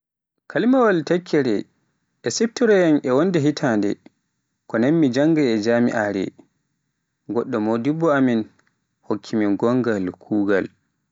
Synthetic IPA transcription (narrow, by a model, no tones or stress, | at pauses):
kʰalmawaltakʰːɛɾɛ | ʔɛsif̚tiɾɛjanɛwondɛɦitʰaːndɛ̰ | kɔnanmid͡ʒaŋɡaɛd͡ʒamḭʔaɾɛ̰ | ɡɔɗːɔmodibːɔamin | hokʰːimiɡɔŋɡalkʰuːɡa̰l